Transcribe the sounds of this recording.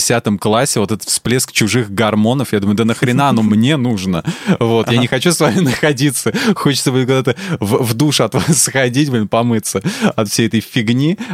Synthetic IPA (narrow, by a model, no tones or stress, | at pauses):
sʲat̪əmklˠasʲːɪvo̞t̪ɛt̪ət̪splʲeskt͡ɕʊʐɨxɡɐrmo̞nəfjad̪uməjʊd̪ənəxɾʲɪnaɐno̞mnʲe̞nuʐnəvo̞t̪janʲɪxɐt͡ɕusvamʲɪnəxɐdʲit̪səxo̞t͡ɕɪ̥t̪səbɨtʲkʊɡd̪at̪əvvd̪uʂɐt̪vasxɐdʲitʲbolʲnpɐmɨt̪səɐt̪fsʲejɛt̪əjfʲɪɡnʲi